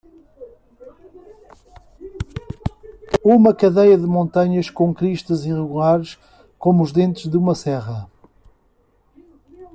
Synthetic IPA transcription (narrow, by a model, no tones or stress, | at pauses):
uumɐkɐðejɐðɨmõnt̪ɐɲɐʃkõkɾiʃt̪ɐziʁɨɣulˠaɾʃ | komuuʒðẽnt̪ɨʒðumɐsɛʁɐ